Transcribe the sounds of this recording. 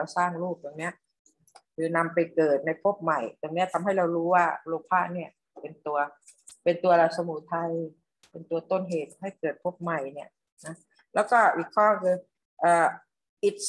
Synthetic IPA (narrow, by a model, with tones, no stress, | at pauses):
wsaː˧˥˩ŋluː˥˩p̚t̪o˧ŋni˦˥ɐʔ | kʰɯː˧na˧mpa˨jkɤː˨˩t̪̚na˧˩jpʰo˦˥˩p̚ma˨˩jt̪ŋni˦˥ɐ˨t̪ʰa˧mɦa˥˩jɾa˧wɾuː˦˥waː˧˥˩lo˧˩k̚pʰaː˧˥˩ni˧˩ɐ | pe˧nt̪u˧ɐ | pe˧nt̪u˧ɐla˧t̪̚sa˧muː˧˩˦t̪ʰa˧j | pe˧˨nt̪u˧ɐt̪o˧˥˨nɦeː˨˩t̪̚ha˥˩jkɤː˨˩t̪̚pʰo˦˥˩p̚ma˨˩jni˧˩ɐ | nɔ˦˥ | lɛː˧˥˩wkɔː˧˥˩ʔi˨˩kʰɔː˧˥˩kʰɯː˧ | ʔaː˨˧˩ | ʔi˨˧˩t̪̚